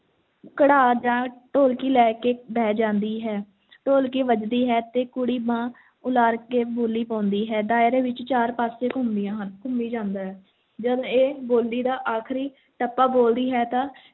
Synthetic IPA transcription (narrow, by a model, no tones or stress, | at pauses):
kəɽaːd͡ʒãːʈoːlkiːlɛːkeːbɛːd͡ʒãːnd̪iːɦɛː | ʈoːlkiːʋəd͡ʒd̪iːɦɛːt̪eːkʊɽiːbãː | ʊlaːɾkeːboːlːiːpãːnd̪iːɦɛːd̪aːɪɾẽːʋɪt͡ʃt͡ʃaːɾpaːsẽːkʊnd̪ɪjãːɦnkʊmiːd͡ʒãːnd̪aːɦɛː | d͡ʒəd̪õːeːboːld̪iːd̪aːʔaːkʰɾiː | ʈəpːaːboːld̪iːɦɛːt̪ãː